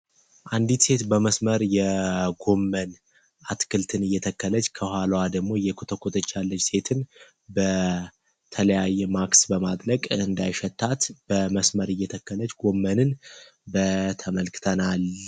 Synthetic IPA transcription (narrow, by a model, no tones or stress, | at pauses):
ʔand̪it̪se̞t̪bəməsməɾjɛɡo̞mːən | ʔat̪kʰɨlt̪ʰɨnɨjːɛt̪ʰəkːələt͡ʃːkʰəhʷwalwad̪əɡmo̞jɛkʰot̪ʰəkʰot̪ʰət͡ʃːalːət͡ʃse̞t̪ʰɨn | bə | t̪ʰələjajːɛmaksbəmad̪ʼɾəɡʼɨɨnd̪ajʃɛt̪ʰːat̪b̥əməsməɾɨjːɛt̪ʰəkːələt͡ʃːɡo̞mːənɨnbət̪ʰəməlkɨ̥t̪ʰənal